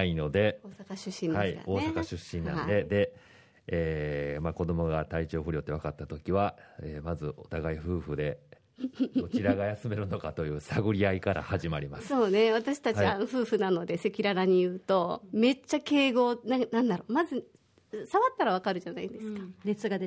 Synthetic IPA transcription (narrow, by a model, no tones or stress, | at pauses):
aino̞d̪e̞oːsakaɕɨɕːĩndaeika̰o̞ːsakaɕɨɕːĩnːã̰d̪e̞d̪e̞ | eːmako̞d̪o̞mo̞ɡat̪ait͡ɕo̞ːɸɯ̟ɾʲjo̞t̪ːe̞βakat̪ːat̪o̞kʲiβaemazɨo̞t̪aɡaiɸɯ̟ːɸɯ̟d̪e̞ | ot͡ɕiɾaɡajasɨme̞ɾɯ̟no̞kat̪o̞jɯ̟ːsaɡoɾʲiaikaɾʔa̰haʑimaɾʲimasɨ̥so̞ːne̞β̞at̪aɕi̥t̪at͡ɕiaãnoɸɯ̟ːɸɯ̟nano̞d̪e̞se̞kʲiɾaɾaɲ̟ijɯ̟ːt̪o̞me̞t͡ɕːake̞ːɡo̞ːnanãnd̪aɾo̞ːmazɨ | saβat̪ːaɾaβ̞akaɾɯ̟ʑanaind̪e̞sɨ̥kḁnet͡sɨɡad̪e